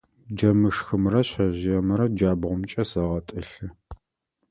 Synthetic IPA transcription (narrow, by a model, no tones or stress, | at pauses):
d͡ʒɐmɨʂxɨmrɐɕɐʑɪjɛmɨɾɐd͡ʒaːbʁʷʊmt͡ʃʼɐsɐʁɐtʼɨɬɨ